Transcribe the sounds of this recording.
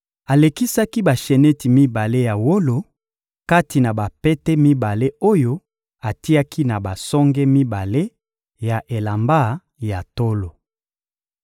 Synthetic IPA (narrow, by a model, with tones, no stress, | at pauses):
a˨le˨ki˦sa˦ki˦ba˨ʃe˨ne˦ti˨mi˦ba˨le˦ja˨wo˦lo˨ | ka˦ti˨na˨ba˨pɛ˦tɛ˦mi˦ba˨le˦o˦jo˦ | a˨ti˦a˦ki˦na˨ba˨sɔ˦ŋɡɛ˦mi˦ba˨le˦ | ja˨ʔe˨la˨mba˦ | ja˨to˦lo˨